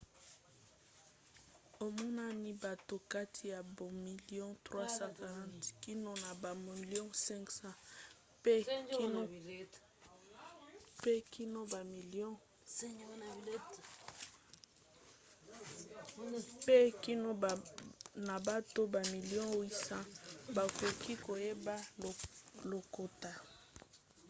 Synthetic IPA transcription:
o˨mɔ˦na˦ni˦ba˨to˨ka˦tʰi˨ja˨bo˨mi˨li˦ɔ̃˦tʁwa˦sã˦ka˨ʁã˦˨tki˦no˦na˨ba˨mi˨ljɔ̃˦sɛ̃˦ŋksã˦ | pe˦ki˦no˦ | pe˦kʰi˦no˦ba˨mi˨lijɔ̃˦ | pe˦ki˦no˦˨na˨ba˦to˦ba˨mi˨ljɔ̃˦wi˦sã˦ba˨ko˨ki˦ko˨je˦ba˦˨ | lo˨ko˨ta˨

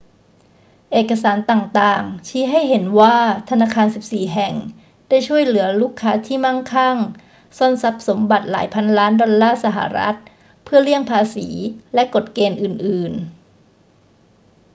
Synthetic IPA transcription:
ʔeː˨˩kːa˧saː˩˦nt̪aː˨˩ŋt̪aː˨˩ŋt͡ɕʰiː˦˥ɦa˥˩jɦe˩˦nwaː˥˩t̪ʰa˧naː˧kʰaː˧nsi˨˩p̚siː˨˩ɦɛ˨˩ŋ | daː˥˩jt͡ɕʰu˥˩əjlɯ˩˦ɐluː˥˩kʰːaː˦˥t̪ʰiː˥˩ma˥˩ŋkʰa˥˩ŋ | so˥˩nsa˦˥p̚so˩˦mba˨˩t̪̚la̰ː˩˦jpʰa˧nlaː˦˥ndɔ˧nlaː˥˩sa˧ɦa̰˨˩ɾa̰˦˥t̪̚ | pʰɯ˥˩ɐli˥˩əŋpʰaː˧siː˩˦lɛ˦˥ko˨˩t̪̚keː˧nʔɯː˨˩nʔɯː˨˩n

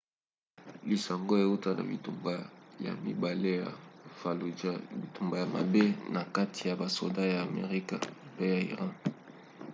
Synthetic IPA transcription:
li˨sa˨ŋɡo˦e˨u˦ta˦na̰˨bi˨tu˨mba˦ja̰˨mi˨ba˨le˦ja̰˨fa˨lu˨˦bi˨tu˨mba˨ja˨ma̰˨be˦na˨ka˦tʰi˨ja˨ba˨so̰˨da˦jaː˨mḛ˨ʁi˦ka̰˨pe˦ja˨ḭ˨ʁɑ̃˦

